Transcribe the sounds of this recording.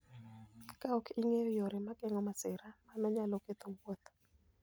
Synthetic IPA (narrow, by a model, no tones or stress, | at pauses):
kaɔkiŋejojoɾɪmakɛŋɔmasɪɾamanɔɲalɔket̪owwot̪